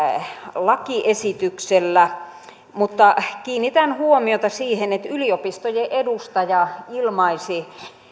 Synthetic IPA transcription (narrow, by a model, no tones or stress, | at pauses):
lɑkiʔesit̪ykselːæ | mut̪ːɑkiːnːit̪ænhuomiot̪ɑsiːhenet̪yliopist̪ojeʔedust̪ɑjɑilmɑisi